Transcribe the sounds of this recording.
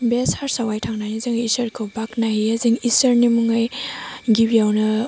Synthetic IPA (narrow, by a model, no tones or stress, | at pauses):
beshaɾsawajtʰaŋnajizɯŋisɐɾkʰɯwbaknaɦiaziŋisɐɾnimuŋajɡibijawnɐ